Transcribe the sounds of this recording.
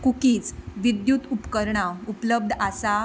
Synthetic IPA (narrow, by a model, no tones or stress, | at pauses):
kukiːt͡sʋid̪jut̪upkəɾɳaupləb̚d̪ʱasa